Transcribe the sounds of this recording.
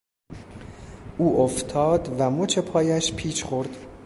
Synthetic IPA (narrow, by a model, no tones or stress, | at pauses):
ʔuːʔoft̪ʰɒːd̪væmot͡ʃʰe̞pʰɒːjæʃpʰiːʃχo̞ɾd̪̥